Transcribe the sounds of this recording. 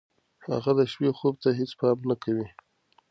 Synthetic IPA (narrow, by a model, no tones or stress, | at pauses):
ha̰ɣad̪əʃwexob̚t̪aɦet͡spɑmnakawi